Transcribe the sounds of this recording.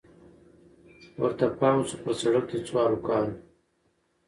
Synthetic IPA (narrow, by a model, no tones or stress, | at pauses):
wɐ̰ɾt̪apaːmsupəɾsɐɽək̚t̪et͡swaːɾukaːl